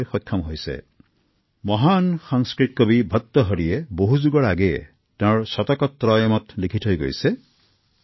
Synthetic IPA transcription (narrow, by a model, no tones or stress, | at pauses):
jxɔkʰːɔmɦojsḛ | mɔɦanxɔŋskɹikːɔbibʱɔt̪ːɔɦɔɹieboɦuzuɡɔɹaɡe | tẽɹsɔt̪ɔkɔt̪ːɾɔjɔmɔt̪likʰitʰɦojɡo̰jse